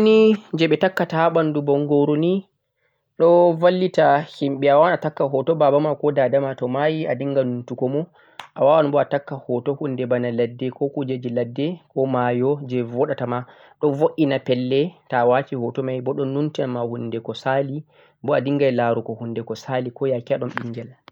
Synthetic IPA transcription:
nid͡ʒɛɓɛtakːataaɓandubɔŋɡɔɾuni | ɗɔvalːitahimɓɛawawanatakːaɦɔtɔbabamakɔdadamatɔmajiadiŋɡanuntukɔmɔ | ʔa̰wawanbɔatakːahɔtɔhundɛbanaladːɛkɔkud͡ʒed͡ʒiladːɛkʰɔmajɔd͡ʒɛwɔɗatama | ɗɔnvoʔinapɛlːɛtawat͡ʃihɔtɔmajbɔɗɔnːuntiamahundɛkɔsali | bɔadiŋɡajlaɾukɔhundɛkɔsalikɔjakiaɗɔmɓiŋɡɛl

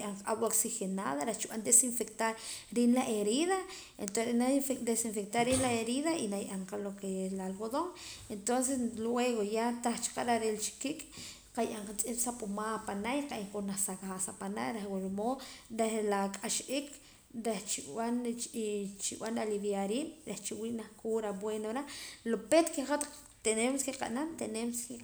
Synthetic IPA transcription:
jʔaɴqaawoksixena̰ðaɾeht͡ʃiɓand̪esiɱfekt̪aɾɾinlaʔeɾiða | ent̪oenaed̪esiɱfek̚t̪aɾinlaeɾiðainajʔaɴqalokeelalɡoðoŋent̪ons̬eslweɣojat̪aχt͡ʃi̥qaɾaɾelt͡ʃi̥kikʼ | qajʔaɴqat͡sʼisapʼumapanaʔjiqaʔeŋkʼonaxsaɣasapana̰ʔɾexwuɾomoɾehlakʼaʃikʰ | ɾeht͡ʃiwan | t͡ʃiwanaliβjaɾiːnɾeht͡ʃiwiʔnahkʰuɾabwenoɾalopet̪keχat̪aq | t̪enemskeqa̰ʔnant̪enemski

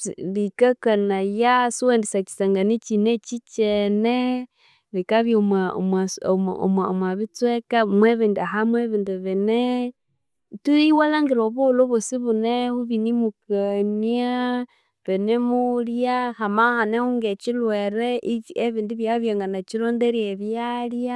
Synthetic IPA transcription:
likakanajasiwendisat͡ʃi̥saŋɡanit͡ʃinet͡ʃit͡ʃene | likaβjomao̰mwasoo̰ma̰mwaβit͡swekamweβindaɦamweβindiβene | tuiwalaŋɡiɾoβuluβusiβunehuβinimukania | βenemuljahamahanehuŋɡet͡ʃilweɾeʔieβindiβjaβjaŋɡanat͡ʃilondeɾieβjalja

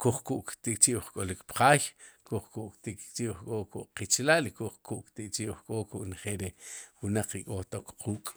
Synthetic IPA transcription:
kuχkuʔkt̪ikʼt͡ʃiʔwχkʼolikpqaːjkuχkuʔkt̪ikt͡ʃiwχkʼokuʔqit͡ʃlaːlikuχkuʔkt̪ikʼt͡ʃiwχkʼokuʔneχelɾewunaq͡χikʼot̪okqʰuːkʼ

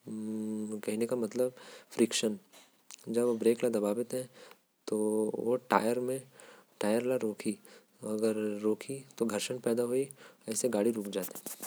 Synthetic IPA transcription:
kɐɦinekamɐt̪ləbfɾɪkʃən | d͡ʒɐbobɾeːklad̪ɐbaːbɪt̪ɦɛ̃ | t̪oʋoʈa̰ːjəɾmẽʈaːjəɾlaɾoːkʰi | ɐɡəɾːoːkʰit̪oɡʱɐɾʃənpɛːd̪aɦoiɛːseɡaːɽiɾuːkd͡ʒaːt̪ɛ̃

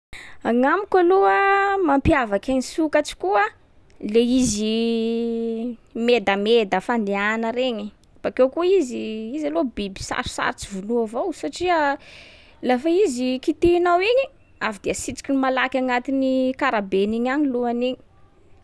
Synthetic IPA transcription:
aŋamikaluəmampiavakaɲisukat͡ʃi̥kuə | leizi | med̪amed̪əfand̪eanəɾeɲi | b̥akewkuiziizalobibi̥sa̰ɾu̥sa̰ɾt͡sivunuavowsaʈ͡ʂiə | lafaizikit̪inawiɲi | afid̪iəsit͡si̥kʲinmalakʲaŋat̪inikaɾabeniɲaɲiluaniɲi̥

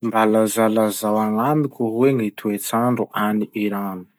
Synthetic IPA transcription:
mbalazalazawaŋamikʲuɦweŋit̪ʰuet͡saɳɖ͡ʐuʔaniiɾani̥

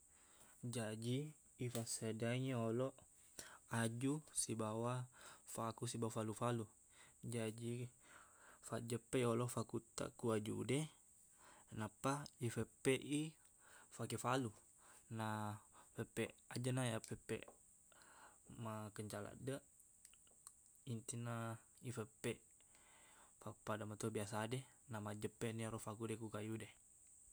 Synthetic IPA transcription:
d͡ʒad͡ʒiː | fasedaɲeoloʔ | ad͡ʒusibawafakusibawafalufalu | d͡ʒad͡ʒi | faʔd͡ʒəpɛjoloʔfakut̪a̰kuad͡ʒudɛ | napaifepɛʔi | fakefalu | nafepɛʔad͡ʒənajapepɛ̰ʔ | makəɲt͡ʃala̰ʔdəʔ | int̪inaifepɛʔ | fapadamat̪ubiasaːdenamad͡ʒəpːenioɾofakudɛkukajudɛ

